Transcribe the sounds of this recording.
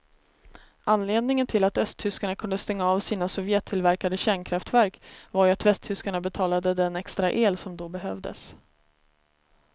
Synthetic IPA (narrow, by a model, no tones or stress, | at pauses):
ʔanːleːd̪nɪŋənt̪ʰɪlat̪œst̪ʰːʏskaɳakʰɵnd̪əst̪ɛŋːaːvsiːnasɔvjɛːt̪ʰːɪlvæɾkad̪əɕæːɳkʰɾaft̪væɾkvaɾjɵat̪vɛst̪ʰʏskaɳabɛt̪ʰɑːlad̪əd̪ɛnɛkst̪ɾaʔeːlsɔmd̪ɔbɛɦœvd̪ə̰s